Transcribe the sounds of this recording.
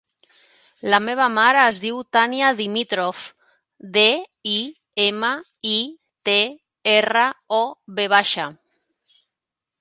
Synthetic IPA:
lameβ̞amaɾaːzðiwt̪aniaðimit̪ɾof | d̪ei | ema | i | t̪e | eraɔβeβ̞aʃa

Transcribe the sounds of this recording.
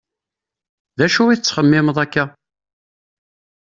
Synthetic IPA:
ðæʃuwiθət͡sːχəmːɪməðˤækːæ

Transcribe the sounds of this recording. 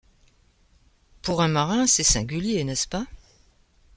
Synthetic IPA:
puʁɛ̃maʁɛ̃sɛsɛ̃ɡʲyljenɛspa

